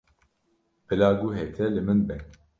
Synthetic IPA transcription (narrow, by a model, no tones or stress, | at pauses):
bɨlaːɡuɦɛt̪ʰɛlɨmɨnbɛn